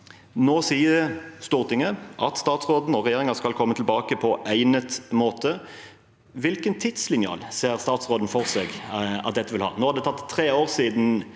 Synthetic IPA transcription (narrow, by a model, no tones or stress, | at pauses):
noːsiːəst̪ʊːʁt̪ɪŋəʔɑt̪st̪ɑːt̪sʁoːd̪n̩ɔʁɛjeːʁɪŋɑskɑlkʰɔmːət̪ʰɪlbɑːkəpʰɔʔæɪnət̪moːt̪ə | ʋɪlkənt̪ʰɪd̪̥slɪnjɑ̰ːlseːʁst̪ɑːt̪sʁoːd̪n̩fɔʁseːɡɑ̰t̪̚d̪ɛt̪ːəʋɪlhɑ̰ːnoːhɑɾd̪ɛt̪ʰɑt̪ʰːʁeːoːʁsiːd̪n̩